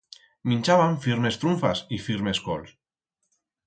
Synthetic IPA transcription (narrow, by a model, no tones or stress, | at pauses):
mĩnʲt͡ʃaβaɱfiɾmest̪ɾuɱfa̰sifiɾmesko̰ls